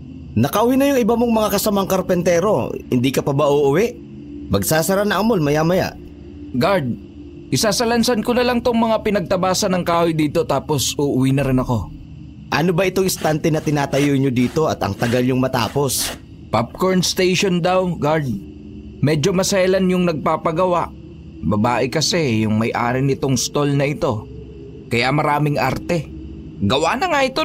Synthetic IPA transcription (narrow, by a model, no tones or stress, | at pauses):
nɐkɐʔʊwinɐjʊŋɪbamoŋmɐŋakɐsɐmaŋkɐɾpɛnt̪ɛːɾo̞̰hɪ̰nd̪ikɐpɐbaʔoʔʊwɪʔ | pɐɡ̚saːsɐɾanɐʔɐmolmɐjamɐja̰ʔ | ɡaɾd̪̚ | ʔɪsaːsɐlɐnsankʊnɐlɐŋt̪oŋmɐŋapɪnɐɡ̚t̪ɐbaːsɐnɐŋkaːhojd̪iːt̪o̞t̪aːposʔʊʔʊwinɐɾɪnɐko̞ | ʔɐnobɐʔɪt̪oŋɪst̪ant̪ɛnɐt̪ɪnaːt̪ɐjoɲod̪iːt̪o̞ɐt̪ɐ̰ŋt̪ɐɡalɲʊŋmɐt̪a̰ːpo̞s | pap̚koɹnst̪ejʃond̪awɡaɾd̪̚ | mɛːd͡ʒo̞mɐsajlɐnjʊŋnɐɡ̚paːpɐɡɐwaʔ | bɐbaːʔɪkɐsɛjʊŋmɐjʔa̰ːɾɪnɪt̪o̞ŋst̪o̞lnɐʔɪt̪o̞ | kɐjamɐɾaːmɪŋʔa̰ɾt̪ɛ | ɡɐwaːnɐŋaʔɪt̪o